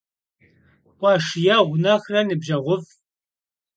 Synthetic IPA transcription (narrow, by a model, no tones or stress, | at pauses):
kʷʼɑʂjɛʁʷʊnɐxrɐnɨbʒɐʁʷʊf